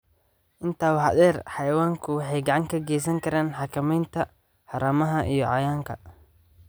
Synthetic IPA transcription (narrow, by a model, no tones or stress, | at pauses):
ʔɪnt̪ʰaːwɑɐ̰d̪ɛːrħɑjwaːŋkʰʊwɑħɑjɡɑʕɑŋkʰɐɡɛːs̬ɐŋkʰɐɾaːnħɑkʰɐmɛjnt̪ʰɐ | ħɑɾɐmɐɦɐʔijɔʕɑjaːŋkʰɐ̰